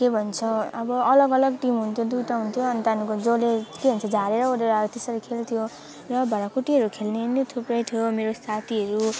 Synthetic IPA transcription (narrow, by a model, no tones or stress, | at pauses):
kebʱʌnt͡sʰʌʌbʌʌlʌɡʌlʌɡʈimɦunt̪ʰjod̪uʈaɦunt̪ʰjoʌnit̪anukod͡zolekebʱʌnt͡sʰʌd͡zʱaɾeɾʌoɾeɾat̪esʌɾʌkʰelt̪ʰijo | rʌbʱʌɾakuʈiɦʌɾukʰelnenot̪ʰuprʌjt̪ʰijomeɾosat̪ʰiɦʌɾu